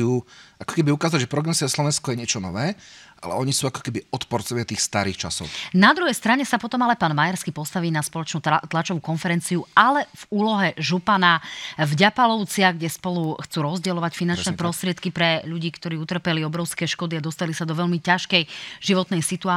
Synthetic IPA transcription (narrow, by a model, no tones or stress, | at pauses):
uːʔakɔ̥kɛbiukaːzaɟʒɛpɾɔɡɾɛsiaslɔʋɛnskɔjɛɲɪɛt͡ʃɔnɔʋɛːʔa̰lɛ̰ɔɲisuːakɔ̥kɛbiɔt̪pɔɾt͡sɔʋɪat̪iːxst̪aɾiːxt͡ʃa̰sɔ̰ʊnad̪ɾuɦɛjst̪ɾaɲɛsapɔt̪ɔmalɛpaːnmajaɾskiːpɔst̪aʋiːnaspɔlɔt͡ʃnut̪lat͡ʃɔʋukɔnfɛɾɛnt͡siualɛv̥uːlɔɦɛʒupanavɟapalɔʊt͡sɪaɣɡɟɛspɔluxt͡suːɾɔzɟɛlɔʋacfinant͡ʃnɛpɾɔst̪ɾɪɛt̪kipɾɛʎuɟiːkt̪ɔɾiːut̪r̩pɛliɔbɾɔʊskɛːʃkɔd̪iad̪ɔst̪alisad̪ɔʋɛʎmicaʃkɛjʒ̥iʋɔt̪nɛjsit̪uaː